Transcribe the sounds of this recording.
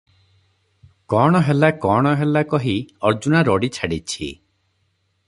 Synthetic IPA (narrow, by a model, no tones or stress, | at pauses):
kɔɽ̃ɔɦelakɔɽ̃ɔɦelakɔɦiɔɾd͡ʒunaɾɔɽit͡ʃʰaɽit͡ʃʰḭ